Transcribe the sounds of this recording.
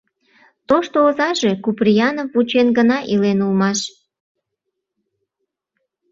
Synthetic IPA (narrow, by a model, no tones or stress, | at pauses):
t̪oʃt̪oozɑʒekuprijɑnovut͡ɕenɡənɑʔilenulmɑʃ